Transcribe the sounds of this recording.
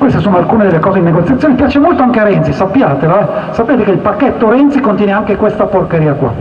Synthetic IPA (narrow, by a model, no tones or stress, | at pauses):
kwest̪osoːnoalkuːned̪elːekɔːzed̪ineɡot̪sjat̪ːjoːnepjaːt͡ʃemolt̪oaŋkeaɾɛnt̪sisapːjaːt̪eloɛsapːeːt̪ekeilpakːɛt̪ːoɾɛnt̪sikont̪jɛːneaŋkekwest̪aporkeɾiːakwa̰